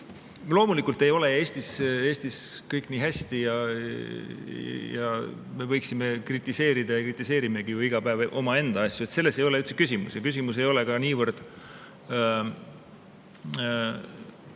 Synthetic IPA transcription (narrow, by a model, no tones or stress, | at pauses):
lo̞ːmulikːˑult̪ːˑe̞jo̞le̞e̞ːsʲt̪ise̞ːsʲt̪iskɤjkːˑniːɦæsʲt̪ijɑ | jɑ̰me̞vɤjksime̞krit̪ːˑise̞ːɾid̪̥ɑjɑkrit̪ːˑise̞ːɾime̞ɡ̥ijuiɡ̥ɑpæevʔo̞̰mɑe̞nd̪̥ɑɑsʲjue̞t̪se̞lːe̞se̞jo̞leyt̪sekys̬ʲimṵsjɑkys̬ʲimus̬e̞jo̞le̞kɑniːvɤrd̪̥